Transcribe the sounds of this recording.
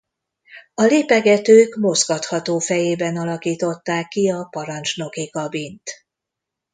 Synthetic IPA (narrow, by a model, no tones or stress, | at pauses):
ɒleːpɛɡɛt̪øːkmo̞zɡɒt̪hɒt̪oːfɛjeːbɛnɒlɒkiːt̪o̞t̪ːaːkːiɒpɒɾɒnt͡ʃno̞kikɒbint̪